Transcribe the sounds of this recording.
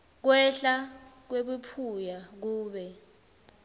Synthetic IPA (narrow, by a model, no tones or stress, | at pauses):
k̬wɛɬak̬weɓupʰujak̬uːɓɛ